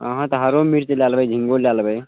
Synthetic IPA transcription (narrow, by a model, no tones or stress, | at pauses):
əɦãt̪əɦəɾomiɾt͡ʃəljalbəjd͡ʒʱiŋɡoljalbəj